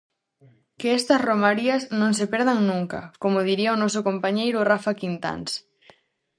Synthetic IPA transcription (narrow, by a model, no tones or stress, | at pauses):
keɛst̪ɐsromaɾiɐsnõŋsepɛɾðaŋnũŋka̰komʊðiɾiaonɔsokompaɲejɾʊrafakint̪a̰ns